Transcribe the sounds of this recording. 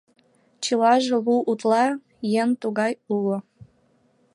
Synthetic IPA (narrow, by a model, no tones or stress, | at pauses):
t͡ɕilɑʒɤ̆luʔut̪lɑ | jent̪uɣɑjulŏ